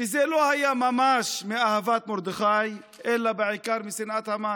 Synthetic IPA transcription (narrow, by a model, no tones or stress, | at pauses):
izelohajamamaʃmeahavat̪moɾd̪eχaj | ʔelabeʕikaɾmisinʕat̪hama